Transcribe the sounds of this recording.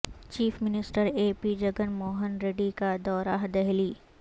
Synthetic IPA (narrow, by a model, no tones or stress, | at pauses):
t͡ʃiːfmɪnɪsʈəɾeːpid͡ʒɐɡənmoːɦənɾeːɖikad̪ɔːɾaɦd̪ɛɦliː